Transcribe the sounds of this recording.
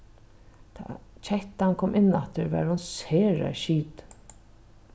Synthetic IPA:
t̪ʰa̰t͡ɕʰɛht̪ankʰɔːmʔɪnːat̪ɪɹvɛ̰ɹhʊnseːɹɛ̰ʃiːt̪

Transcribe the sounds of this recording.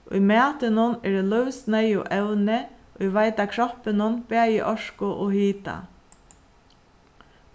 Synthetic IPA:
ʔʊ̰jmæːt̪ɪnʊnɛdɛlœʋsnɛjʊ̰ʔɛwnɪ | ʔʊjʋaɪt̪akʰɹɔpɪnʊnb̥æːjɪ̰ʔɔʂkʊʔoːhiːt̪a̰

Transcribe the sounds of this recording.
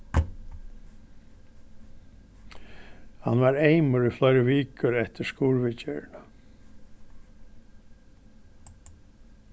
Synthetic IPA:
hɑ̰nʋɑːɾeɪməɾiflœʏɾəʋiːkʰəɾɛht̪əskuːɹʋɪcə̰ɹɳə

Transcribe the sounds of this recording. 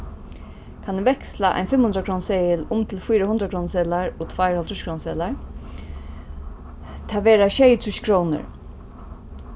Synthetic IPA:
kʰanuʋɛkslaʔa̰jnfɪmhʊnd̪ɾakʰɾoːnseːjɪlʊmt̪ʰɪlfujɾahʊnd̪ɾakʰɾonsɛːlaɹot̪ʰv̥aɪɾhɔlt̪ʰɹʏʃkɹoːnsɛ̰ːlaɹ | t̪ʰaːʋeːɾaʃejt̪ʰɾʊʃkʰɾownə̰ɹ

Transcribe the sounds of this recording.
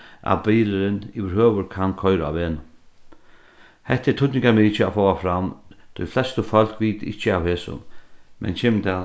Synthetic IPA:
a̰bejɾɪɾɪnḭʋɪɾhøːʋʊɾkʰankʰɔjɾaa̰ʋeːnʊ | hɛht̪ːɛt̪ʰʊt̪nɪŋkaɾmiːt͡ʃɪafɔːwafɾamt̪ʰʊjflɛst̪əfœl̥kʋiːt̪ɪht͡ʃːəawhɛːsʊ̰mmʔɛ̰nt͡ʃʰɛːmt̪ʰɛ

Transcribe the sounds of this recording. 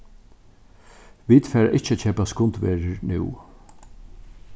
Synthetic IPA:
ʋiːt̪fɛːɾa̰ʔɪht͡ʃət͡ʃʰɛːpaskʊnt̪ʋeːɾəɹnɪ̰w

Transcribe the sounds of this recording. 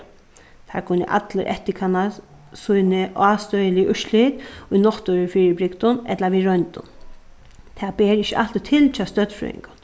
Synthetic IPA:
t̪ʰa̰kʰʊnːɪ̰ʔa̰t̪ləɾʔɛ̰ht̪ɪkʰana | sʊjnɪʔaːst̪œjɪlɪʔʊʃlit̪ʊjnɔht̪ʊɾɪfiːɾɪbɾɪkt̪ʊnɛt̪laʋiɾœnt̪ʊ̰n | t̪ʰaːbɛːɾɪçɪʔa̰l̥t̪ɪt̪ʰɪlt͡ʃʰast̪œt̪fɾṵɪ̰ŋkʊn

